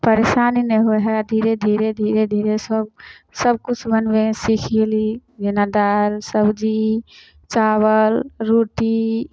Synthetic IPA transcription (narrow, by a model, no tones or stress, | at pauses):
pəɾesaːnineɦoɦɛd̪ʱiɾed̪ʱiɾed̪ʱiɾed̪ʱiːɾesəb̚səb̚kut͡ʃʰbənbesikʰilid͡ʒinad̪aɾsəbd͡ʒi | t͡ʃaːwəlɾoʈi